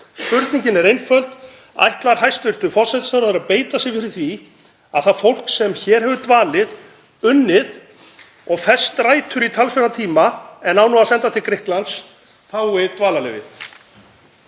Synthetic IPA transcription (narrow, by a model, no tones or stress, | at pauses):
spʏɾt̪niɲcɪnɛɾejnfœlt̪ | a̰jht̪laɾ̥hajst̪vɪlt̪ʏfɔr̥sɛjt̪sθawɾʏðɪɾaðpeːjt̪asɪɣfɪɾɪθvi | aðθaðfowl̥ksɛmçɛːɾ̥ɦɛvʏt̪vaːlɪð | ʏnːɪð | ɔɣfɛ̥st̪ɾajt̪ʰʏɾit̪ʰalsfɛɾnat̪ʰiːmaɛnawnɔasɛnt̪at̪ʰɪlkɾɪhklans | θawɪt̪vaːlalɛ̰vɪ̰θ